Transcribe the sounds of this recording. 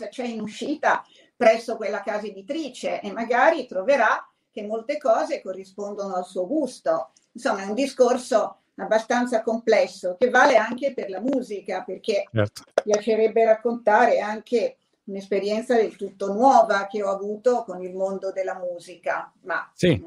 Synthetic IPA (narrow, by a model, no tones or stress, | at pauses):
zat͡ʃɛinuʃːiːt̪a | pɾɛsːokwelːakaːzed̪it̪ɾiːt͡ʃeʔemːaɡaːɾit̪ɾoveɾa | k̟emːolt̪ekɔːzekorːispond̪onoalsuːoɡust̪o | insomːaɛund̪iskorso | abːast̪ant̪sakomplɛsːokevːaːleaŋkeperlamuːzikaperkeɛt̪pjat͡ʃeɾɛbːeɾakːont̪aːɾeaŋke | unespeɾjɛnt̪sad̪elt̪ut̪ːonwɔːvak̟eɔavuːt̪okonilmond̪od̪elːamuːzika̰ma̰si